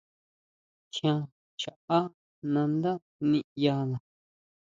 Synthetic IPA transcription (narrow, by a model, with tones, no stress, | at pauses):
kʰã˧ | t͡ʃa˨a˦ | nã˧nd̪a˦ | nĩ˧ja˧nã˨